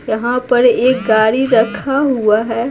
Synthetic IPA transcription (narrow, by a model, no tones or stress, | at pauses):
jɐɦãpɐɾeːk̚ɡaːɽiɾɐkʰaɦuaɦɛː